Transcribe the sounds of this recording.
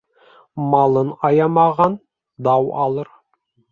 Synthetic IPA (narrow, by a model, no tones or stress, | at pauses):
mɑlˠɤnɑjɑmɑʁɑn | d̪ɑwɑ̰lˠɤɾ